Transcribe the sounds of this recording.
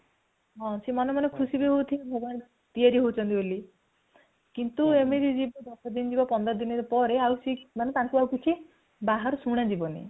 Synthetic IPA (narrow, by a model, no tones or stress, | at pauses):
ɦɔ̃simɔnemanekʰusibiɦowt̪ʰibʱɔbɔn | t̪iaɾiɦowt͡ʃʰɔnt̪iboli | kint̪uemed͡ʒid͡ʒibɔd̪ɔkʰɔd̪ind͡ʒibɔpɔnd̪ɾɔd̪inɔɾpɔɾeawsimanet̪aŋkuawkit͡ʃʰi | baɦaɾɔsuɽ̃ad͡ʒibɔnḛ